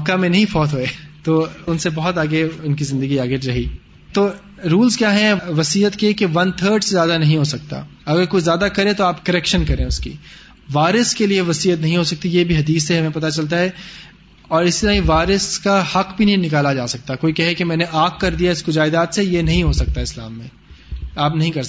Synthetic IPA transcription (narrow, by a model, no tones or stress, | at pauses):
mɐkːamẽnɐɦĩfɔːt̪ɦoet̪oːʊnsebɐɦʊt̪aːɡeʊnkizɪ̃nd̪əɡiaːɡeɾɐɦiː | t̪oː | ɾuːlzkjaːɦɛ̃ʋɐsiːɦət̪kekeʋɐnt̪ʰəːɾɖsezjaːd̪anɐɦĩɦosɐk̚t̪a̰ːɐɡəɾkoːizjaːd̪akɐɾẽt̪oaːpkɐɾɛːkʃənkɐɾẽːʊskḭː | ʋaːɾəskelieʋɐsiːət̪nɐɦĩɦosɐk̚t̪ijebʱiɦɐd̪iːsːeɦɐmẽpɐt̪at͡ʃɐlt̪̬aɦɛ | ɔːɾɪst̪iɾaɦĩʋaːɾəskahɐqbʱinɐɦĩnɪkaːlad͡ʒaːsɐk̚t̪aɛkoːikɛɦɛkemɛ̃ːneʔaːkkɐɾd̪ijaɪskʊd͡ʒaːɪd̪aːt̪sejenɐɦĩɦosɐk̚t̪aɦɛɪsla̰ːmːḛ̃ | aːpnɐɦĩkɐɾ